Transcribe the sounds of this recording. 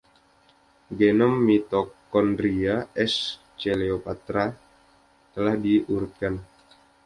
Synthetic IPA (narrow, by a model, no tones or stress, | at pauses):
ɡenɔmːit̪ɔkɔndɾiaʔɛs | t͡ʃeleopat̪ɾa | t̪əlahdiʔuɾut̪̚kan